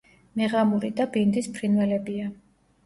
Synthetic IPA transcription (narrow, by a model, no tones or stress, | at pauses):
mɛʁamuɾid̪abind̪ispʰɾinvɛlɛbia